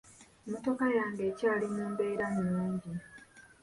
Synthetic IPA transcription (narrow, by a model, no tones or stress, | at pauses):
moto̞kajaːŋɡeːcaːlimuːmbe̞ːɾanuːɲɟi